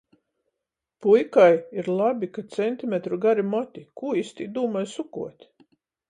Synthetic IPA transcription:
pujkajiɾlˠabʲikat̪sɛnt̪ʲimʲet̪ɾuɡaɾimɔt̪ʲikuːist̪id̪uːmajsukuɔt̪ʲ

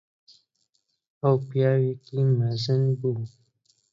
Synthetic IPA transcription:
awpjaweklimazənbu

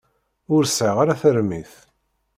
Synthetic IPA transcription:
ʊɾsʕəʁaɾaθəɾmiθ

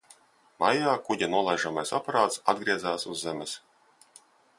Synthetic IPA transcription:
majaːkuɟʲanuɔlˠajʒamajsapaɾaːt̪sa̰d̪ɡɾiɛzaːsuzːɛmɛs

